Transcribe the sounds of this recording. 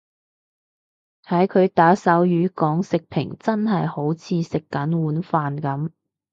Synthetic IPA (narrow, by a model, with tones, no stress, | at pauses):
hɐ˨˥jkʰɵ˨˧ɥt̪aː˨˥sɐ˨˥wjyː˨˧kɔː˨˥ŋsɪ˨k̚pʰɪ̰˨˩ŋt͡sɐ˥nɦɐ˨jho˨˥wt͡sʰiː˧sɪ˨kːɐ˨˥nwuː˨˥nfaː˨nkɐ˨˥m